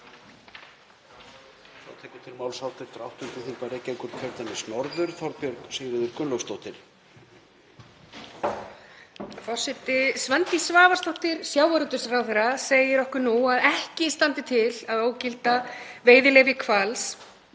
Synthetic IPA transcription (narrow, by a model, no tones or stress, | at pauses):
θa̰wt̪ʰɛːkʏt̪ʰɪlmawlsalt̪ɪɾ̥t̪ɾawht̪ʏnt̪ʏθiŋpaɾɛcejŋkʏɾkʰɛɾt̪anɪsnɔɾðʏɾ̥θɔɾt̪̚pjœɾksɪɣɾɪðʏɾkʏnlœfst̪owht̪ɪɾ̥ | fɔ̥sɛt̪ɪsvɛnt̪isvaːvaɾ̥st̪oht̪ɪɾsjaːwaɾʏt̪ʏsrawθeɾaseːjɪɾɔhkʏɾnuaðɛhcɪst̪ant̪ɪt̪ʰɪlaðoːwcɪlt̪aveːjðɪleːvɪkʰvals